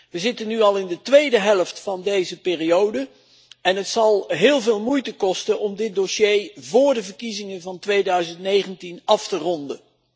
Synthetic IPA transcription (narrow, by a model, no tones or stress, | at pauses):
ʋəzɪtənːyɑlˠɪndətʋejdəɦɛlˠəftfɑndejzəpɪːriowdə | ɛnɦətsɑlˠɦɪːlˠvɪːlˠmujtəkɔstənɔmdɪt̚doʃejvʊːɹdəvəɹkizɪŋəvɑntʋejdœɥzəntnejχəntinɑftərɔndə̰